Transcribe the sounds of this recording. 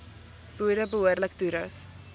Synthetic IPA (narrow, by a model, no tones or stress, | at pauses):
b̥uədəbəɦuərləkduɾɐs